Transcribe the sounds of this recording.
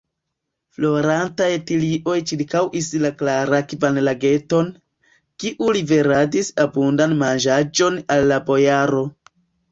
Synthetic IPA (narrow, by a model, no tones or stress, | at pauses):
flo̞ɾantajetiliʔo̞jt͡ʃiɾkawʔislaklaɾakvanlaɡe̞to̞n | kiʔulibe̞ɾadisabundanmand͡ʒad͡ʒo̞nalːabo̞jaɾo̞